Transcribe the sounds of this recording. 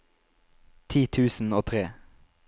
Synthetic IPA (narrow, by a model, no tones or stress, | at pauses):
t̪ʰiːt̪ʰʉːsn̩oːt̪ʰʁeː